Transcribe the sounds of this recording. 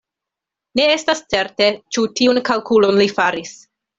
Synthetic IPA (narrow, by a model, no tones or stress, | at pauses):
ne̞e̞stast͡se̞ɾte̞t͡ʃutiunkalkulo̞nlifaɾis